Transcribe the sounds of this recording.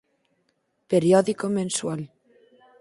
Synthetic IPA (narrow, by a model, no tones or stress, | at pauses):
peɾjɔðikomẽnswal